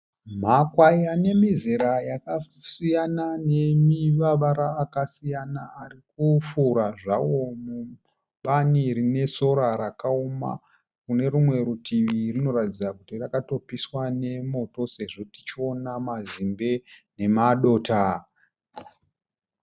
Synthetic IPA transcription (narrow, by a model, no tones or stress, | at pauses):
makwajane̞mizeɾajakasijanane̞miʋaʋaɾaːkasijanaːrikufuɾaʐawo̞mu | ɓanirine̞so̞ɾaɾakaoma̰ | kune̞ɾumwe̞ɾutʰiʋirino̞ɾatid͡zakutirakato̞piswane̞mo̞to̞se̞ʐeti̥t͡ʃio̞namazimbe̞ne̞maɗo̞ːta